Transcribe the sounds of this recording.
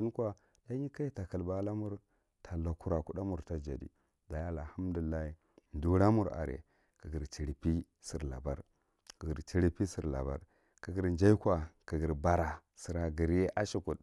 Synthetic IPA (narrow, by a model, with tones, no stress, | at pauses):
i˦n˦kwa˨ | la˦ɲi˦ka˦ji˦ta˨ka˨lba˦la˦mu˦ɾ | tʰa˨la˨ku˦ɾa˨ku˦ɗa˦mu˨ɾta˦d͡ʒa̰˨dḭ˦ | da˨ja˦a˦˨a˨ha˦mdu˨i˨lːa˦hi˨ | ndu˦ɾa˦mu˦˨ɾa̰˨ɾḛ˨ | ki˨ɡi˨ɾt͡ʃi˨ɾi˨pi˦ | si˨ɾla̰˨ba̰˦ɾ | kə˨ɡi˨ɾt͡ʃi˦ɾi˦pi˦si˨ɾla̰˨ba̰˦ɾ | ki˨ɡi˨ɾnd͡ʒa˦i˦kʷa˨ki˨ɡi˨ɾba˨ɾa˨si˨ɾa˨ɡi˨ɾje˦ʔa˦ʃi˨ku˨t